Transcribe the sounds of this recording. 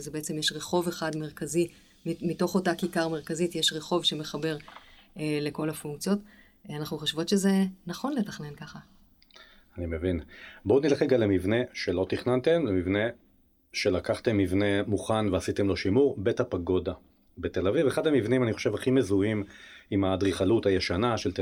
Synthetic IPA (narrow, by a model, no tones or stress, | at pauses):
zebeet͡se̞mjeʃʁe̞χo̞veχadme̞ʁkazi | mito̞χo̞takikaʁme̞ʁkazitjeʃʁe̞χo̞vʃe̞me̞χabe̞ʁ | le̞ko̞lafuŋkt͡sjo̞t | anaχnuχoʃvo̞tʃeze̞naχo̞nle̞taχne̞nkaχa | animevinboːnileχeɡalemivne̞ʃe̞lo̞t̪iχnant̪e̞mlemivne̞ | ʃe̞lakaχt̪emːivne̞muχanveasit̪emlo̞ʃimuʁbe̞thapaɡo̞da | bet̪e̞laviveχadamivnimaniχoʃevaχime̞zuimimad̪ʁiχaluthajeʃanaʃelt